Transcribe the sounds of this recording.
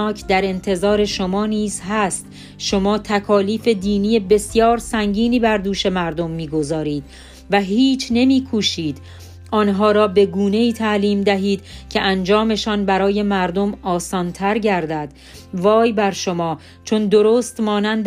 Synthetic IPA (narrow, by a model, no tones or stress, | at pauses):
ɒːcʰd̪æɾe̞nt̪ʰe̞zɒːɾe̞ʃomɒːniːzɦæst̪ | ʃo̞mɒːt̪ʰækʰɒːliːfe̞d̪iːniːje̞be̞sjɒːɾsæŋɟiːniːbæɾd̪uːʃe̞mæɾd̪o̞mːiːɡo̞zɒːɾiːd̪̥ | væɦiːt͡ʃʰne̞miːkʰuːʃiːd̪̥ | ʔɒːnɦɒːɾɒːbe̞ɡuːne̞iːt̪ʰæʔliːmd̪æɦiːd̪̥cʰe̞ʔænd͡ʒɒːme̞ʃɒːnbæɾɒːje̞mæɾd̪o̞mɒːsɒːnt̪ʰæɾɟæɾd̪æd̪̥ | vɒːjbæɾʃomɒː | t͡ʃʰo̞nd̪o̞ɾoːst̪mɒːnænd̪